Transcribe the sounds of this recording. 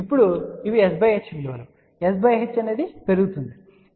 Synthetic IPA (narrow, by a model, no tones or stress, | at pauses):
ipːuɽuiʋiesbɐjɦet͡ʃːind̪iʋɐlu | esbɐjɦet͡ʃːɐneːd̪ipe̞ɾuɡut̪und̪i